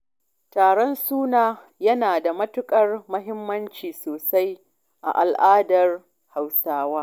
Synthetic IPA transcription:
taː˨ɽɔ˦nsuː˦naː˨ | jɐ˦naː˨da˨mɐ˦tʊ˦kʼɐ˦rmɐ˦ɦɪ˦mːɐ˦nt͡ʃiː˨soː˨sa˦j | ʔa̰˨ʔa˨lʔaː˦dɐ˨r | ha˨wsaː˦waː˦

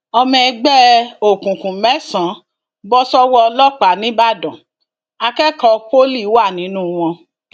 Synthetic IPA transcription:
ɔ˧mɛ̃˧ɡ͡bɛ˦o˨kũ˨kũ˨mɛ̃˨˦sã˨˦ | bɔ˦sɔ˦wɔ˦˧lɔ˦k͡pa˨˦nĩ˦ba˦˨dɔ̃˨ | a˧kɛ˦kɔ˧k͡po˦li˦˨˦wa˦˨nĩ˨˦nũ˦w̃ɔ̃˧

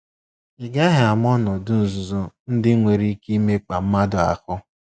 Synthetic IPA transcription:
ɪ˨ɡa˦ɦɪ˨a˨m˦ɔ˦nɔ˨dʊ˦n̩˨zʊ˨zɔ˦n̩˦dɪ˦ŋʷe˨ɾi˦ki˦me˦k͡pa˨m̩˦ma˦dʊ˨a̰˨kʊ˦

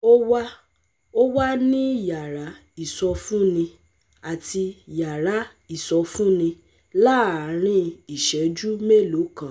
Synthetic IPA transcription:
o˦wa˦ | o˦wa˦nĩ˦ja˨ɾa˨˦ | i˦˨sɔ˧fũ˦nĩ˧ | a˨ti˧ja˨ɾa˨˦ | i˦˨sɔ˧fũ˦nĩ˧ | la˦˨ɾ̃ĩ˧i˨ʃɛ˨˦d͡ʒu˦me˦˨lo˨˦kã˦˨

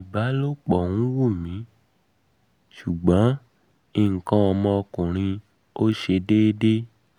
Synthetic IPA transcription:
i˨ba˨˦lo˦k͡pɔ˨ŋũ˦wu˦˨mĩ˨˦ | ʃu˨ɡ͡bã˨˦ | i˨ŋ̩˨kã˦ɔ˧mɔ̃˧ɔ˧kũ˨ɾ̃ĩ˧ | o˦ʃe˧de˦de˦

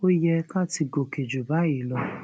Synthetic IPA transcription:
o˦jɛ˧ka˦ti˧ɡo˨ke˨d͡ʒu˨ba˨˦i˦˨lɔ˧

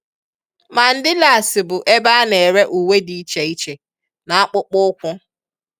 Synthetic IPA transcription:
ma˨n̩˨dɪ˦la˨sɪ˨bʊ˨ʔe˦ba˦ne˨ɾe˦ʔu˨we˦di˨˦t͡ʃe˨i˦t͡ʃe˨ | na˨a˦k͡pʊ˦k͡pʊ˦kʷʊ˦

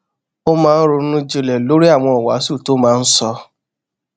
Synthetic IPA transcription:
o˦mãː˦n̩˦ɾu˧˦nũ˦d͡ʒe˧lɛ˨lo˦ɾi˦a˦˨w̃ɔ̃˧ɔ˨wa̰˨˦su˦˨to˦mãː˦n̩˦sɔ˧

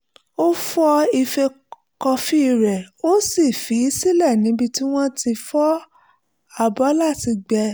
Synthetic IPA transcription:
o˦fɔ˧i˧fe˧ | kɔ˧fi˦˧ɾɛ˨o˦si˦˨fi˨˦si˦lɛ˦˨nĩ˨˦bi˧ti˦w̃ɔ̃˦ti˧fɔ˦ | a˦˨bɔ˨˦la˦˨ti˧ɡ͡bɛ˧

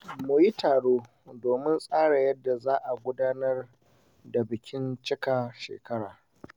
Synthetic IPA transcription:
mu˨ji˦taː˨ɽoː˦ | doː˨mɪ˦nsʼaː˦ɽa˨jɐ˦dːa˨zaː˦ʔa˨ɡʷʊ˦daː˦nɐ˦r | da˨bɪ˨kʲɪ˦nt͡ʃɪ˦ka˨ʃḛː˨kɐ˦ɽaː˨

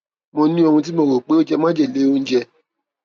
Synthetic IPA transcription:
mõ˧nĩ˦o˧hũ˧t̬i˦mõ˧˨ko˨k͡pe˦o˦d͡ʒɛ˧mã˦d͡ʒɛ˦˨le˨˦o˦˧n̩˦d͡ʒɛ˧

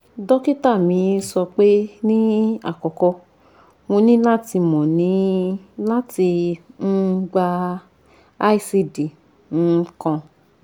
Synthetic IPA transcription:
dɔ˦ki˦ta˦˨mĩ˨˧˦sɔ˧k͡pe˦nĩ˦a̰˦˨kɔ˨kɔ˧ | mo˧nĩ˦la˦ti˧mɔ̃˨nĩ˨˦la˦ti˧n̩˦˧˦ɡ͡ba˧ | a˦i˦˨si˧di˨ | n̩˦˧˦kɔ̃˧

